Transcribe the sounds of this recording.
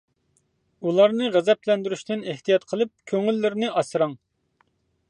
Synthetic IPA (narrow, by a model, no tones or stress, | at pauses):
ulˠɑɾnɨʁɛzɛplɛnd̪yɾyʃd̪ɪneht̪ʰijɑt̪qʰəlˠɨp̚kʲʰøŋylːɪɾɪnɪʔɑsɾɑŋ